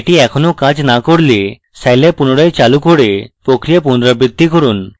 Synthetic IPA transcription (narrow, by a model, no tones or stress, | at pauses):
eʈiɛkʰɔnokad͡ʑnakoɽli | sajlepunoɽajt͡ɕalukoɽepɾokɾijepund̪ɾabɾid̪ʱːikɔɾun